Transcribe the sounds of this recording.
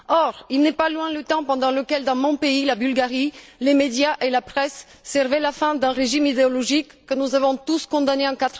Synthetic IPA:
ɔʁilnɛpalwɛ̃lət̪ɑ̃pɑ̃d̪ɑ̃ləkɛld̪ɑ̃mɔ̃peilabylɡaʁilemed̪jaʔelapχɛsː | ɛʁvɛlafɛ̃d̪ɛ̃ʁeʒimid̪eɔlɔʒikːənuzavɔ̃t̪uskɔ̃d̪aneɑ̃kat̪χ

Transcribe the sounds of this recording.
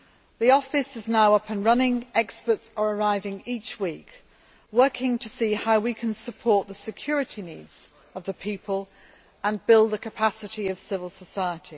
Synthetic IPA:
ðiɒfɪsɪznaʊʌpɪ̃nɹʌnɪ̃ŋɛkspətsəɹəɹaɪvɪ̃ŋiˑt͡ʃwiˑk | wɜˑkʰɪ̃ŋtʰəsiːhaʊwikʰə̃nsəpʰɔˑʔ̪̚ðəsɪkʰj̥ɔːɹɪtʰiniːdz̥ | əvðəpʰiˑpʰəlˠ | ə̃nbɪlˠd̪ðəkʰəpʰasɪtiəv̥sɪvəlˠsəsaɪətʰi

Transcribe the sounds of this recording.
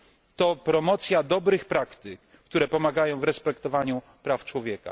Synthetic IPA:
t̪ɔpɾɔmɔt̪sʲjad̪ɔbɾɘxpɾakt̪ɘkːt̪uɾɛpɔmaɡajɔ̃w̃vɾɛspɛkt̪ɔvaɲu | pɾaft͡ʂwɔvʲjɛka̰

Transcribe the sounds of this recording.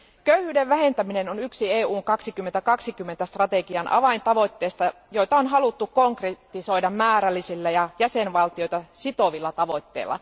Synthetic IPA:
køyhyːdeʋʋæhe̞nt̪æminenonyksieːuːŋkɑksikymːent̪ækɑksikymːent̪æst̪rɑt̪eɡiɑnʔɑ̰ʋɑint̪ɑʋo̞t̪ːeːst̪ɑ | joit̪ɑonɦɑlut̪ːukoŋkret̪ːiso̞idɑmmæːɾælːisilːæjɑjæsenʋɑlt̪iojt̪ɑsit̪o̞ʋilːɑt̪ɑʋo̞it̪ːḛːlːɑ̰

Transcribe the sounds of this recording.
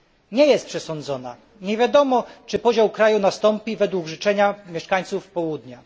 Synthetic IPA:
ɲɛjɛst̪pʂɛsɔnd̪zɔna̰ | ɲɛvʲjad̪ɔmɔt͡ʂɘpɔʑawkɾajunast̪ɔmpʲivɛd̪wuɡʐɘt͡ʂɛɲamʲjɛʂkaɲt̪sufpɔwud̪ɲa

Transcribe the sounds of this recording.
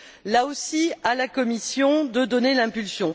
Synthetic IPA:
laosialakɔmisjɔ̃d̪əd̪ɔnelɛ̃pylsjɔ̃

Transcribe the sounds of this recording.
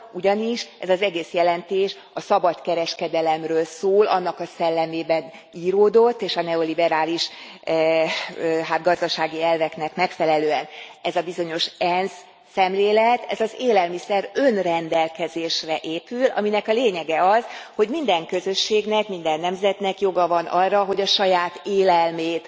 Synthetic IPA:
uɟɒniʃɛ̰zɒzɛɡeːsjɛlɛnt̪eːʃ | ɒsɒbɒt̪kɛɾɛʃkɛd̪ɛlɛmrøːlsoːlʔɒ̰nːɒkɒsɛlːɛmeːbɛn | iːɾoːd̪o̞t̪ːeːʃɒnɛolibɛɾaːliʃ | ɦaːt̪̚ɡɒzd̪ɒʃaːɡiɛlvɛknɛkmɛkfɛlɛløːɛnɛzɒbizo̞ɲo̞ʃɛnsː | ɛmleːlɛt̪ɛ̰zɒzeːlɛlmisɛɾønrɛnd̪ɛlkɛzeːʃrɛʔeːpylɒ̰minɛkɒleːɲɛɡɛɒzho̞ɟmind̪ɛŋkø̞zø̞ʃːeːɡnɛkmind̪ɛnːɛmzɛt̪nɛkjo̞ɡɒvɒnʔɒrːɒɦo̞ɟɒʃɒjaːt̪eːlɛlmeːt̪

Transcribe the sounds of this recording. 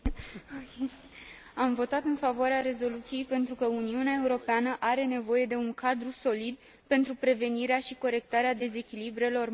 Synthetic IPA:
amvo̞t̪at̪ɨnfavoaɾeaɾe̞zo̞lut̪sije̞jpe̞nt̪ɾukəuniuneae̞uɾo̞peanəʔaɾe̞ne̞vo̞je̞d̪e̞uŋkʰad̪ɾuso̞lid̪ | pe̞nt̪ɾupɾe̞ve̞niɾeaʃiko̞ɾe̞k̚t̪aɾead̪e̞ze̞kʲilibɾe̞lo̞r

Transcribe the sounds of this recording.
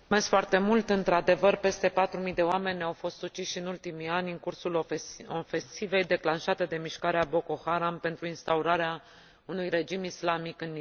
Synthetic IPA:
mesfoart̪e̞mult̪ɨnt̪ɾad̪e̞vərpe̞st̪e̞pat̪ɾumijd̪e̞oame̞nʲawfo̞st̪sut͡ʃiʃiɨnult̪imianʲɨŋkursulofe̞nsive̞jd̪e̞klanʃat̪e̞d̪e̞miʃkaɾeabo̞ko̞xaɾampe̞nt̪ɾuinst̪auɾaɾea | unujre̞d͡ʒimislamikɨnːi

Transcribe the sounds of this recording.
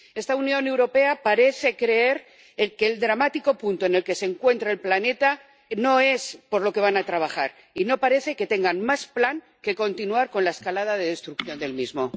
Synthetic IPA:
e̞st̪aunjo̞ne̞wɾo̞pe̞apaɾe̞θe̞kɾe̞eɾ | ke̞ːld̪ɾamat̪iko̞punt̪oene̞lke̞se̞ŋkwe̞nt̪ɾeːlplane̞t̪a | no̞e̞spo̞ɾlo̞ke̞β̞anat̪ɾaβ̞axaɾ | ino̞paɾe̞θe̞ke̞t̪e̞ŋɡanmasplaŋ | ke̞ko̞nt̪inuaɾko̞nlaeskalaðaðe̞ðe̞st̪ɾuk̚θjo̞nd̪e̞lmizmo

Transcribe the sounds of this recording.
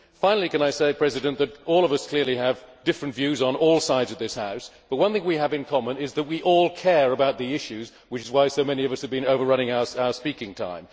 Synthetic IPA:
fãɪ̃nl̩ˠikɨ̃naɪseɪpʰɹ̥ɛzɨɾɨ̃nðɨɾɔlˠʌvʌskʰl̥ɪɹlˠiɨvdɪfɹɨ̃ntv̥jʉzn̩ɔlˠsaɪdzʌv̚ðɪshaʊsb̥ʌt̚wʌ̃nθɪ̃ŋwiɨvɨ̃nkʰɑmə̃nɪzðɨt̚wiʔɔlˠkʰɛɹəbaʊt̪̚ðiɪʃʉz | wɨt͡ʃɨzwaɪsoʊmɛniʌvʌshɨvbɨ̃noʊvə˞ɹʌ̃ñɪ̃ŋaʊə˞saʊə˞spikɪ̃ŋtʰã̰ɪ̃m

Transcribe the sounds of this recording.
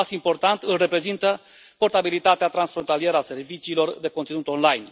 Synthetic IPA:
simpo̞rt̪ant̪ɨlre̞pɾe̞zint̪ə | po̞rt̪abilit̪at̪eat̪ɾansfɾo̞nt̪alie̞ɾəase̞rvit͡ʃiːlo̞rd̪e̞ko̞nt̪inut̪o̞nlajn

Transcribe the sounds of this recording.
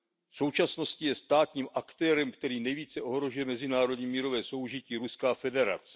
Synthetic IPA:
fso̞wt͡ʃasno̞scɪjɛst̪aːt̪ɲiːmʔakt̪ɛːɾɛmkt̪ɛɾiːnɛjviːt͡sɛʔo̞ɦɾo̞ʒujɛmɛzɪnaːɾo̞dɲiːmiːɾo̞vɛːso̞wʒɪciːɾuskaːfɛdɛɾa̰t͡sɛ̥

